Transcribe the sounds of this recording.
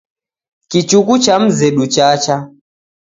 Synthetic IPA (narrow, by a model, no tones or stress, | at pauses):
kit͡ʃukut͡ʃam̩zɛɗut͡ʃat͡ʃa